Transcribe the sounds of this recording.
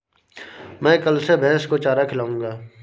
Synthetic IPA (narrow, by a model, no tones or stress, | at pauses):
mɛ̃ːkəlsebʱɛ̃ːskot͡ʃaːɾakʰɪlaːũːŋɡaː